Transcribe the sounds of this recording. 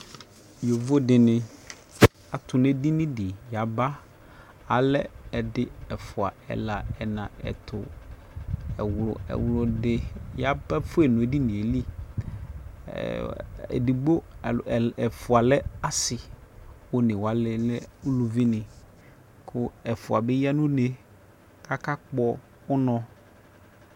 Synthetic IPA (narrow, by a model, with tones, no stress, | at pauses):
jo˨vo˦dɪ˨nɪ̃˨ | a˨tʰʊ˨ne˦di˦nɪ̃˦dɪ˨ja˨ba˦ | a˨lɛ˦ɛ˨dɪ˦ɛ˨fʊ˨a˨ɛ̰˨la˨ɛ˨nã˨ɛ̰˨tʰʊ˨ | ɛ˨wlʊ˨ɛ̰˨wlʊ˨dɪ˦ja˨ba˦fʊ˦ɛ˨nʊ̃˨e˨˦di˦nɪ̃˨e˨li˦ | ḛ˨di˨ɡ͡bo˦˨ | ɛ˨fʊ˨a˨lɛ˦a˦sɪ˨wo˨˦nɪ̃˨wa˨lɛ˨lɛ˦u˦lu˨vi˦nɪ̃˨ | kʰʊ˦ɛ˨fʊ˨a˨bɪ˦ja˦nʊ̃˦ne˨ | kʰa˦ka˦k͡pɔ˦ | ʊ˦nɔ̃˦